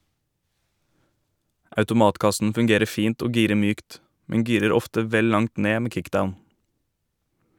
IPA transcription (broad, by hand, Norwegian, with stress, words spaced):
ɑʉtʊˈmɑːtˌkɑsn̩ fʉŋˈɡeːɾə ˈfiːnt ˈoː ˈɡiːɾə ˈmyːkt ˈmɛŋ ˈɡiːɾəɾ ˈɔftə ˈʋɛl ˈlɑŋt ˈneː ˈmeː ˈkɪkˌdaʊn